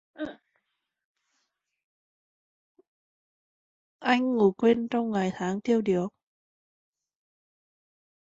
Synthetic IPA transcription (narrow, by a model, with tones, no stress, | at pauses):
ʔa˧jŋ̟ːu˨˧˩kwe˧nt͡ɕɔ˧wŋ͡mŋa˨˩jt̪ʰaː˨˦ŋt̪ʰi˧əwɗi˨˩ək̚